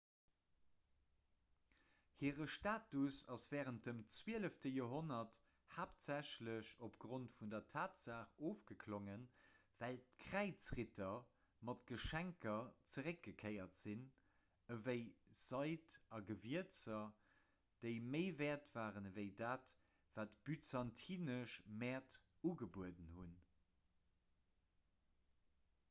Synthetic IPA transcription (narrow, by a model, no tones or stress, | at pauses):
hiːʁəʃtaːtusɑsv̥ɛːʁənt̚dəmt͡swiːələftəjoːɦonɐt | haːp̚tz̥æɕləɕopɡ̥ʁontfundɐtʰaːtz̥aːχoːfɡ̥əkʰloŋənvæltkʰʁ̥æɪt͡sʁitʰɐ | mɑtɡ̥əʃæŋkɐt͡səʁək̚ɡ̥əkʰəɪɐtz̥in | əvəɪz̥ɑɪtɑɡəviət͡sɐ | d̥eɪməɪvɛːɐtv̥aːʁənvəɪdaːt | v̥aːtb̥yt͡sɑntʰiːnəʃmɛɐt | uɡəbuədənhun